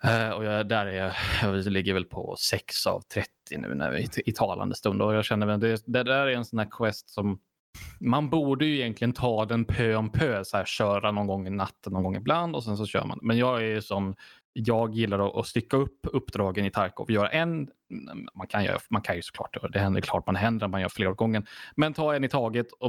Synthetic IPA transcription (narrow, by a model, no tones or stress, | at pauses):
ɔjɑd̪æɾæɾvlɪɡːəɾvɛlpʰɔ̰sɛksa̰vt̪ʰɾɛt̪ʰːɪnʉ̟̰ːnæ̰ɪɪt̪ʰɑːlʔa̰nd̪əst̪ɵnd̪ɔjɑːɕɛnːəɾvɛld̪ɛd̪ɛd̪æɾæɾɛnsɔnæːɾkʰwɛst̪sɔmː | anbuːɖəjɵɪjɛnk̪ʰlɪɡənt̪ʰɑːd̪ɛnpʰøːɔnpʰøːshæːɾɕœːɾanɔnɡɔŋːɪnat̪ːənːɔnɡɔŋːɪbland̪ɔsɛns̬ɔɕœ̰ːɾmand̪ɛmɛnjɑːɡæɾsɔmː | jɑːɡjɪlːaɾɔʔɔst̪ʏkːaɵpːɵpːd̪ɾɑːɡənɪt̪ʰaɾko̰ːvjœːɾa̰ʔɛn | mankʰanjœ̰ːɾa̰mankʰanjɵsɔ̥klɑ̰ːʈjœːɾad̪ɛhɛnd̪ə̰ɾkʰlɑ̰ːʈmanɦɛnd̪əɾɛmanjœ̰ːɾfleːɾɔɡɔŋːənmɛnt̪ʰɑːɛnɪt̪ʰɑːɡət̪ʰɔ